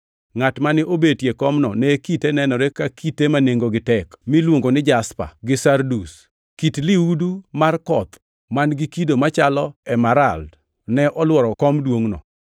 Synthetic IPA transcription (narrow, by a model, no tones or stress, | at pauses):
ŋatmanɪʔobetjekɔmnɔnɛkitenɛnɔɾekakitemaneŋɡoɡɪtɛkmilwoŋɡonɪd͡ʒaspa̰ɡɪsardus | kitliudumarkɔt̪ | manɡikidomat͡ʃalɔɛmaɾald | nɛʔɔlwɔɾɔkɔmdwoŋnɔ̰